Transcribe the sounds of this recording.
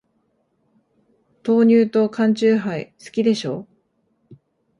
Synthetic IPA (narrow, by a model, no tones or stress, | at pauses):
t̪o̞ːɲ̟ɨːt̪o̞kãɲ̟t͡ɕɨːɦaisɨ̥kʲid̪e̞ɕo̞ː